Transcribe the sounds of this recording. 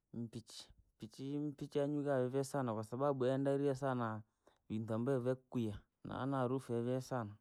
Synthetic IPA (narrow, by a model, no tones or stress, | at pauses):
m̩pit͡ʃi̥m̩pit͡ʃim̩pit͡ʃiaɲwukavɛvɛsanakwasabaɓuɛndaɾiɛsana | βintambɛvɛkwia | na̰a̰naɾufɛvɛsana